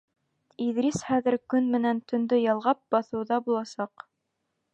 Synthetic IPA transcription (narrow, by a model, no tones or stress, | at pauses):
iðɾisχæðɘ̆ɾkɵnmɘ̆nænt̪ɵ̆nd̪ɵjɑlˠʁɑp̚bɑθɤ̆wðɑbulˠɑsɑq